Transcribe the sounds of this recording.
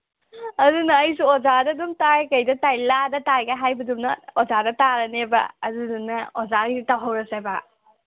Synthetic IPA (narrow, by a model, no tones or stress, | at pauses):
ɐdunɐːjsuozadɐdumtaekɐjdɐtajladɐtaɡɐɦajbɐdumnɐozadɐtaɾɐnebɐ̰ɐdudunɐozaitawɦɐwɾɐseba